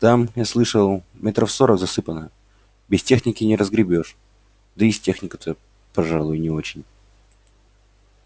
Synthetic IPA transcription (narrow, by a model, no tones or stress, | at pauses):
t̪amjaslˠɨʂəlˠmʲet̪ɾəfso̞ɾəɡzɐsɨpənə | bʲɪstʲe̞xnʲɪkʲɪnʲɪɾəzɡɾʲɪbʲo̞ʂ | d̪əɪsʲtʲexnʲɪkət̪ə | pɐʐalˠʊjʊnʲɪo̞t͡ɕɪnʲ